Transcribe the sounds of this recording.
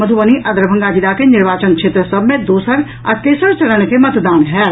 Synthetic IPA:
məd̪ʱuʋəniʔɐd̪ɾbʱə̃ŋɡaːd͡ʒid̪akenɪɾʋaːt͡ʃənkʃeːt̪ɾəsəbʱmẽd̪oːsəɾ | a̰k̪eːsəɾt͡ʃɐləñkemət̪d̪aːnɦɛː

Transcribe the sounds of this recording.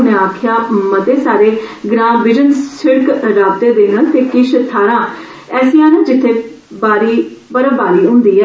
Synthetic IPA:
neaːkʰɪjãːmət̪eːsaːɾeːɡɾãːbɪd͡ʒənsɪɽkɾaːb̚t̪eːd̪eːnənt̪eːkɪʃt̪ʰaːɾãː | ɛːsɪ̃jãːnẽːd͡ʒɪt̪ʰːeː | baːɾiːpəɾbaːɾiːɦʊ̃ːnd̪iːɛː

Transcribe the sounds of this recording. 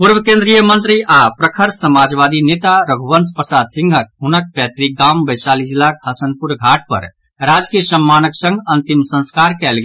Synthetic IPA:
puɾbəkẽnd̪ɾijəmə̃nt̪ɾiʔapɾəkʰəɾsəmad͡ʒbad̪inet̪aɾəɡʱubənspɾəsad̪sĩŋɡʱək̚ɦunək̚pɛt̪ɾiɡambəjsalid͡ʒilːakɦəsənpuɾɡʱaʈ̚pə̰ɾ | ɾad͡ʒkiəsəmːanəksə̃ŋɡʱənt̪imsə̃nskaɾkɛlɡe

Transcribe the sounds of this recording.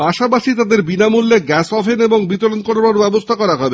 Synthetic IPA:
paʃapaʃit̪ad̪eɾbinamulːeɡɛsɔfʰeneboŋbit̪olonkoɾnaɾbɛbost̪ʰakɔɾaɦɔbe

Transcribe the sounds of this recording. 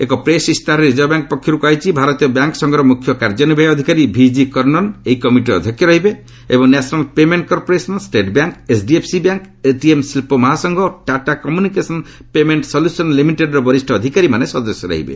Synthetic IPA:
ḛkɔpɾesist̪ʰaɾeɾid͡ʒɔbjaŋkɔpɔkʰːɔɾukajt͡ʃʰibʱaɾɔt̪ijɔbjaŋkɔsɔŋɡɔɾɔmukʰjɔkaɾd͡ʒɔnibʱajɔd̪ʱikaɾibʱid͡ʒikɔɾnɔnejkɔmiʈiɾɔ̰d̪ʱɔkːjɔɾɔɦibe | ebɔŋnesʰɔnalpemeɳʈkɔɾpɔɾesɔnsʈeʈbjaŋkesɖiepʰsibjaŋk | eʈiemsilpɔmɔɦasɔŋɡʱɔʈaʈakɔmjunikesɔn | pemeɳʈsɔljusɔnlimiʈeɖɾɔbɔɾisʈʰɔːd̪ʱikaɾimanesɔd̪ɔsjɔɾɔ̰ɦḭbḛ

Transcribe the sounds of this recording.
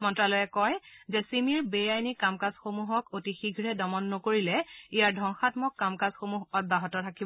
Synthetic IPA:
mɔntɹalɔjɛkɔjzɛsimiɹbejajnikamkazxomuɦɔkotixiɡʱɹɛdɔmɔnːokoɹilɛijaɹdʱɔŋxatmɔkːamkazxomuɦɔt̚baɦɔtɔtʰakibɔ

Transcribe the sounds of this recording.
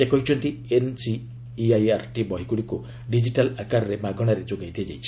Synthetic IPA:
sekɔɦit͡ʃʰɔnt̪iensiː | ajaɾʈibɔɦikuɽiku | ɖid͡ʒiʈalakaɾɔɾemaɡɔɽ̃aɾed͡ʒoɡajd̪iad͡ʒajt͡ʃʰi̥

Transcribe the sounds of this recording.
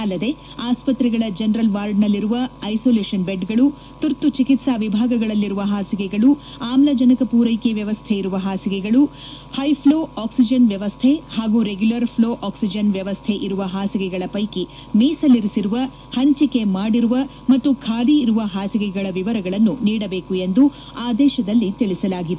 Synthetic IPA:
ɐlːɐd̪e̞ | aːspɐt̪ɾɛɡɐɭɐd͡ʒɐnɾɐlʋaːɾɖnɐlːiɾuʋɐːjsoːleːʂɐnbeɖɡɐɭu | t̪uɾt̪ːut͡ʃikit̪saːʋibʱaːɡɐɡɐɭɐlːiɾuʋɐɦaːsiɡɛɡɐɭu | aːmlɐd͡ʒɐnɐkɐpuːɾɐjkeʋjɐʋɐst̪ʰɛiɾuʋɐɦaːsiɡɛɡɐɭu | hɐjpʰloːaːksid͡ʒɐnʋjɐʋɐst̪ʰehaːɡuɾeɡjulɐɾpʰloːʔaːksid͡ʒɐnʋjɐʋɐst̪ʰɛʔiɾuʋɐɦaːsiɡɛɡɐɭɐpɐjki | miːsɐlːiɾisiɾuʋɐ | hɐɲt͡ʃike̞maːɽiɾuʋɐ | mɐt̪ːukʰaːliːɾuʋɐɦaːsiɡɛɡɐɭɐʋiʋɐɾɐɡɐɭɐnːuniːɽɐbe̞ːkue̞nd̪u | aːd̪ɛːʃɐd̪ɐlːit̪iɭisɐlaːɡid̪e

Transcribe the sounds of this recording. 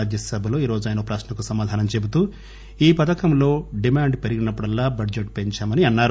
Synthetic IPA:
ad̪jɐsɐbʱɐlo̞ːiːɾo̞ːd͡ʒuaːjnɐopɾaːʃnɐkusɐmaːd̪ʱaːnɐmt͡ʃe̞but̪uː | iːpɐt̪ɐkɐmlo̞ːɖimaːɳɖpeɾiɡinɐpːuɽɐlːaːbɐɖd͡ʒeʈ̚peɲt͡ʃaːmɐniɐnːaːɾ

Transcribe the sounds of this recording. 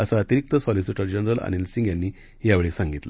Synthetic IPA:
əsəat̪iɾik̚t̪əsɔlisiʈəɾd͡ʑənɾəla̰ñilsiŋɡjanːiː | jaʋeɭesãŋɡit̪lə

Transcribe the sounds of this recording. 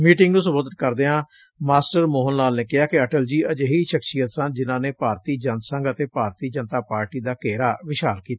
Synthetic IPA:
miːʈɪŋɡnũːsʊbəd̪ət̪̚kəɾd̪eːɦãː | maːsʈəɾmoːɦənnaːlneːkɪɦaːkɪəʈəld͡ʒiːʔəd͡ʒɦiːʃəkʃijət̪sənd͡ʒɪnãːneːpaːɾt̪iːd͡ʒənt̪sə̃ŋɡət̪eːpaːɾt̪iːd͡ʒənt̪aːpaːɾʈiːd̪aːkeːɾaːʋɪʃaːlkiːt̪aa

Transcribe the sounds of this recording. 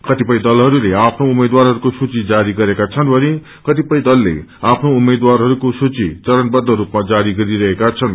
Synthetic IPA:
kʌt̪ipʌj̃d̪ʌlɦʌɾuleapʰnoumed̪warɦʌɾukosut͡sid͡zaɾiɡʌɾekat͡sʰʌnbʱʌne | kʌt̪ipʌj̃d̪ʌlːḛapʰnoumed̪warɦʌɾukosut͡sit͡sʌɾʌnbʌd̪ʱːʌɾupmad͡zaɾiɡʌɾiɾʌɦekat͡sʰʌn

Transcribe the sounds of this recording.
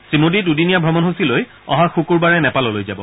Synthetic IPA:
sɹimodidudinijabʱɹɔmɔnɦusiloj | ɔ̰ɦãxukuɹbaɹɛnɛpalɔlojzabɔ̰

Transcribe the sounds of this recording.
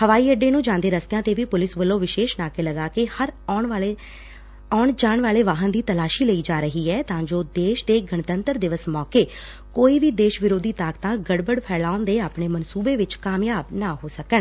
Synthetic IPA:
həʋaːiːəɖeːnũːd͡ʒãːnd̪eːɾəst̪ejãːt̪eːʋiːpʊlɪsʋəlːõːʋɪʃeːʃnaːkeːləɡaːkehəɾːɳːe | ɔːɳd͡ʒaːɳʋaːleːʋaːɦənd̪iːt̪əlaːʃiːləiːd͡ʒaːɾəɦiːɛːt̪ãːd͡ʒoːd̪eːʃd̪eːɡəɳt̪ənt̪əɾd̪ɪʋəsmɔːkeː | koːiːʋiːd̪eːʃʋɪɾoːd̪iːt̪aːkt̪ãːɡəɽbəɽpʰɛːlaːʊnd̪eːaːpɳeːmənsuːbeːʋɪt͡ʃkaːmjaːbnaːɦoːsəkəɳ

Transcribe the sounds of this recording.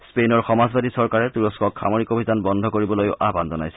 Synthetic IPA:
spenɔɹxɔmazbadisɔɹkaɹɛt̪uɹɔskɔkʰxa̰moɹikobʱidanbɔnd̪ʱɔkoɹibɔlojʊ̰ʔabanzɔna̰jsɛ̥

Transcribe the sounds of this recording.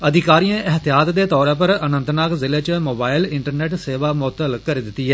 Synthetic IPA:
əd̪ʱɪkaːɾijãːʔɪɦt̪ɪjaːt̪d̪eːt̪ɔːɾãːp̬əɾənə̃nt̪naːkzɪleːt͡ʃmoːbaːɪlɪɳʈəɾneːʈseːʋaːmɔːt̪ːəlkəɾeːd̪ɪt̪ːiːɦɛː

